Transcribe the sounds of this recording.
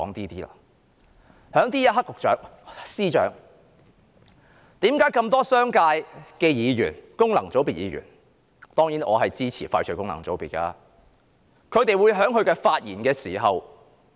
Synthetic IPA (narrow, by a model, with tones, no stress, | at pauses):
ɔː˨˥ŋt̪iː˥t̪iː˥la̰ː˧ | hœː˨˥ŋt̪iː˥jɐ˥ɦɐ˥kːʊ˨k̚t͡ʃœ̰ː˨˥ŋsiː˥t͡ʃœ̰ː˨˥ŋ | t̪iː˨˥mkaː˨˥jkɐ˧mt̪ɔː˥sœː˥ŋkaː˧jkɛː˧jiː˨˧jyː˨˩nkʊ˥ŋlɐ˨˩ŋt͡so˨˥wpiː˨t̚jiː˨˧jy̰ː˨˩n | t̪ɔː˥ŋjiː˨˥nʔɔː˨˧hɐ˨jt͡siː˥t͡sʰḭː˨˩faː˧jt͡ʃʰɵ˨˧˥kʊ˥ŋlɐ̰˨˩ŋt͡so˨˥wpiː˨t̚ka̰ː˧ | kʰɵ˨˧ɥt̪e˨jwu˨˧jɦœː˨˥ŋɦɵ˧ɥkɛː˧faː˧t̚jiː˨˩nkɛː˧siː˨˩ɦɐ˨w